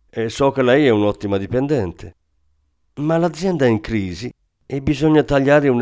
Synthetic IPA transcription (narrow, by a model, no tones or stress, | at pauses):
ɛsːɔkːelɛjɛunɔt̪ːimad̪ipend̪ɛnt̪ʰe | malad̪zːjɛnd̪aɛiŋkɾiːzi | ebizɔɲːat̪aʎːaːɾɪun